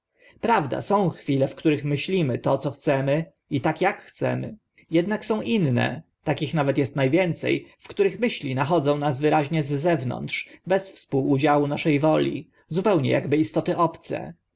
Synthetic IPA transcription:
pɾavd̪a̰sɔ̃w̃xfʲilɛfkt̪uɾɘxmɘɕlʲimɘt̪ɔt̪sɔxt̪sɛmɘ | it̪akjakxt̪sɛ̰mɘ̰ | jɛd̪naksɔ̃w̃ʔinːɛ̰ | t̪akʲixnavɛt̪jɛst̪najvʲjɛnt̪sɛ̰jfkt̪uɾɘxmɘɕlʲinaxɔd̪zɔ̃w̃nas̬vɘɾaʑɲɛzːɛvnɔ̰nt̪ʂbɛsfspuwud͡ʑawunaʂɛjvɔlʲḭ | zupɛwɲɛ̰ja̰ɡbɘist̪ɔt̪ɘʔɔpt̪sɛ̰

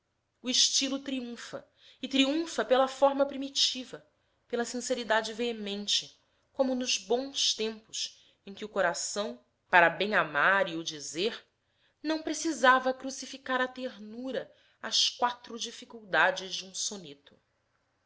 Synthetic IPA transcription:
uiʃt͡ʃilʊt̪ɾiũfɐ̰ | ɪt̪ɾiũfɐpelɐfɔɾmɐpɾimit͡ʃivɐ | pelɐsĩseɾid̪ad͡ʒɪveemẽnt͡ʃɪ | kõmʊnʊzbõw̃st̪ẽmpʊʃ | ẽj̃kʲɪʊkoɾasɐ̃w̃ | paɾɐbẽj̃amaɾiʊd͡ʒizeɾ | nɐ̃w̃pɾesizavɐkɾusifikaɾɐt̪eɾnuɾɐ | ɐskwat̪ɾʊd͡ʒifikuwd̪ad͡ʒɪzd͡ʒɪũsonet̪ʊ̥

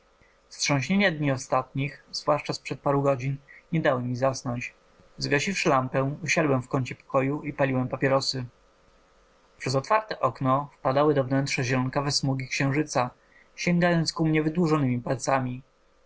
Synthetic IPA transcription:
stʂɔ̃w̃ɕɲeɲad̪ɲiɔst̪at̪ɲixzvwaʂt͡ʂaspʂɛt̪̚paɾuɡɔd͡ʑinɲɛd̪awɘmʲizasnɔɲt͡ɕ | zɡaɕifʂɘlampɛ̃uɕad̪wɛmfkɔɲt͡ɕɛpɔ̥kɔjuipalʲiwɛmpapʲjɛɾɔsɘ | pʂɛzɔt̪faɾt̪ɛʔɔknɔfpad̪awɘd̪ɔvnɛntʂɛʑɛɾɔŋkavɛsmuɡʲikɕɛ̃w̃ʐɘt̪sa | ɕɛŋɡajɔnt̪skumɲɛvɘd̪wuʐɔnɘmʲipalt̪samʲi

